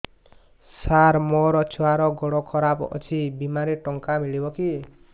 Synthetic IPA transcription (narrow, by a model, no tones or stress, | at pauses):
saɾmɔɾʌt͡sʰuwaɾɔɡɔɽɔkʰʌɾabʌ̰t͡sʰibimaɾiʈɔŋkamiɭibʌki